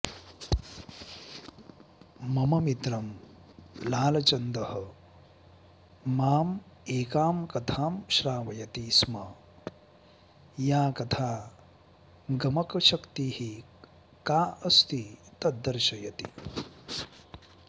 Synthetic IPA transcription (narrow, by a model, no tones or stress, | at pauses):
mɐmɐmit̪ɾɐm | laːlɐt͡ʃɐnd̪ɐhɐ | aːm | eːkaːmkɐt̪ʰaːmʃɾaːʋɐjɐt̪iːsmɐ | jaːkɐt̪ʰaː | ɡɐmɐkɐʃɐkt̪ihi | kaːɐst̪it̪ɐd̪ːɐɾʃɐjɐt̪i